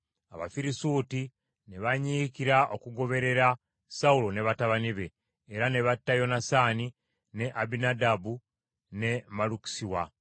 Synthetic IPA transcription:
a̰βa̰fiɾisuːti | neβaɲikiɾaʔo̞kuɡo̞βe̞ɾe̞ɾa | saulo̞ne̞βataβaniβe̞ː | ɾane̞βatːajo̞nasani | ne̞ʔabinadabu | ne̞maluki̥siwa

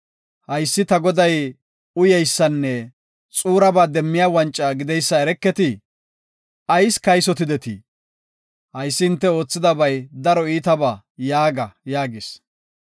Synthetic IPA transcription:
hɐjsːɪt̪ɐɡɔd̪ɐj | ʊjɛjsːɐnːɛ | t͡sʼuːɾɐbaːd̪ɛmːɪjaːwɐnt͡ʃʼːɐɡɪd̪ɛjsːɐɛɾɛkːɛt̪ɪ | ɐjskɐjsɔt̪ɪd̪ɛt̪ɪ̰ | hɐjsːɪɪnt̪ːɛo̞ːt͡sːɪd̪ɐbɐjd̪ɐɾɔiːt̪ɐbaː | jaːɡɐjaːɡɪs

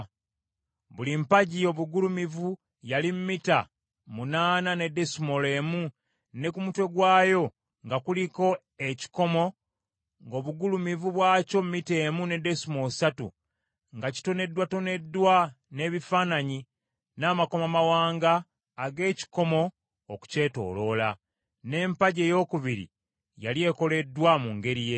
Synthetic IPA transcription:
βulimpaɟio̞βuɡulumivu | jalimumita̰ | munaːnane̞de̞sumole̞ːmu | ne̞kumutwe̞ɡwaːjo̞ | ŋɡakuliko̞ | e̞ci̥ko̞mo̞ | ŋɡo̞ːβuɡulumivuβwaːco̞mumite̞ːmune̞de̞sumo̞satṵ | ŋɡaci̥to̞ne̞dwato̞ne̞dːwa | ne̞βifaːnaɲi | naːmako̞mamawaːŋɡaː | ɡe̞ːci̥ko̞mo̞ː | ku̥ce̞ːto̞̰ːlo̞la | ne̞ːmpaɟe̞jo̞ːkuβiɾḭ | jalje̞ːko̞le̞dːwamuŋɡe̞ɾije̞

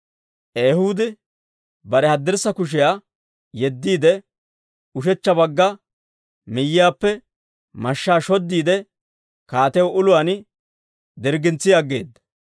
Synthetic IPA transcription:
ʔeːhuːd̪ɛ | bɐɾɛhɐd̪ːɛɾsːɐkʊʃ̬ɪjaː | jɛd̪ːiːd̪ɛ | ʊʃɛt͡ʃːɐbɐɡːɐ | mɪjːɪjaːpːɛ | mɐʃːaːʃɔd̪ːiːd̪ɛ | kaːt̪ɛwʔʊlʊwaːn | d̪ɪɾɡɪnt͡sːɪjɐɡːe̞̰ːd̪ːɐ̥

